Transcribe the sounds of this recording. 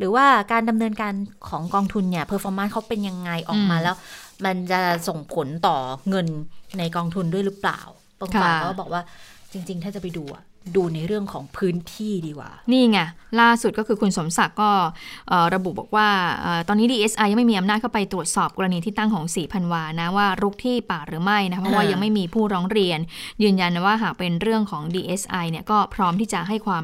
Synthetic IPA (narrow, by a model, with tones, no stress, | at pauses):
ɾɯː˩˦waː˥˩kaː˧nda˧mnɤː˧nkaː˧nkʰɔː˩˦ŋkɔː˧ŋt̪ʰu˧nːi˦˥˩ɐpʰɤː˧fɔː˧maː˦˥˩kʰa˦˥wpe˧nja˧ŋːa˧jʔɔ̰ː˨˩k̚maː˧lɛː˦˥wma˧nt͡ɕa˨˩so˨˩ŋpʰo˨˩˦nt̪ɔː˨˩ŋɤ˧nːa˧jkɔː˧ŋt̪ʰu˧ndu˥˩əjɾɯ˦˥pla̰ː˨˩w | pɔː˧ŋkʰːkːɔː˥˩bɔː˨˩k̚waː˥˩t͡ɕi˧ŋt͡ɕi˧ŋt̪ʰaː˥˩t͡ɕa˨˩pa˧jduː˧ʔa̰˨˩ | duː˧na˧jɾɯ˥˩əŋkʰɔ̰ː˩˦ŋpʰɯː˦˥nt̪ʰiː˥˩diː˧kwa̰ː˨˩niː˥˩ŋa˧˩laː˥˩su˨˩t̪̚kɔ˥˩ɯː˧kʰu˧nso˩˦msa˨˩kːɔː˥˩ʔɤː˨˩ɾa˧bu˨˩bɔ̰ː˨˩k̚waː˥˩ʔɤː˨˩t̪ɔː˧nːiː˦˥diː˧ʔe˦˥sʔa˧ja˧ma˥˩jmiː˧ʔmnaː˥˩kʰa˥˩pa˧jt̪ɾu˨˩ət̪̚sɔː˨˩p̚kɔː˧ɾa˧niː˧t̪ʰiː˥t̪a˥˩ŋkʰɔː˩˦ŋsiː˨˩˦pʰa˧nwaː˧na˦˥waː˥˩ɾu˦˥k̚t̪ʰiː˥˩paː˨˩ɾɯː˩˦ma˥˩jna˦kʰpʰːɔ˥waː˥˩ja˧ŋma˥˩jmiː˧pʰuː˥˩ɾɔː˦˥ŋɾi˧ənjɯː˧nja˧nwaː˥˩ɦaː˨˩k̚pe˧nɾɯ˥˩əŋkʰɔː˩˦ŋdiː˧ʔe˦˥sʔa˧jni˥˩ɐkɔː˥˩pʰɾɔː˦˥mt̪ʰiː˥˩t͡ɕa˨˩ɦa˥˩jkʰwaː˧m